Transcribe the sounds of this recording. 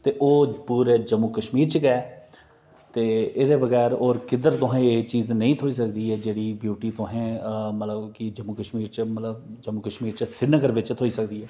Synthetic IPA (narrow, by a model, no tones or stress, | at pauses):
t̪eːʔoːpuːɾeːd͡ʒəmːuːkəʃmiːɾt͡ʃəkɛː | t̪eːɪd̪eːbəɡɛːɾoːɾkɪd̪əɾt̪ʊɦɛ̃ːeːt͡ʃiːznəĩːt̪ʰoːiːs̬əkd̪iːɛːd͡ʒeːɽiːbjuːʈiːt̪ʊɦɛ̃ːmət̪ləbkɪd͡ʒəmːuːkəʃmiːɾt͡ʃmət̪ləb̚d͡ʒəmːuːkəʃmiːɾt͡ʃsɪɖnəɡəɾʋɪt͡ʃt̪ʰoːiːsəkd̪iːɦɛː